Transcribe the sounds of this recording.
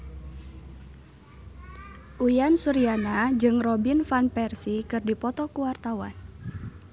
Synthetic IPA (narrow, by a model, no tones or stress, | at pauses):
ʔujansuɾianad͡ʒɨŋrɔbinfanpɛrsikɨrdipɔt̪ɔkuwart̪awa̰n